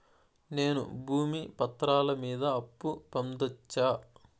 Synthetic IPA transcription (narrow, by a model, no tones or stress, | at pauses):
ne̞ːnṵbʱuːmipɐt̪ːɾaːlɐmiːd̪ɐːpːupɐmd̪ɐt͡ʃːaː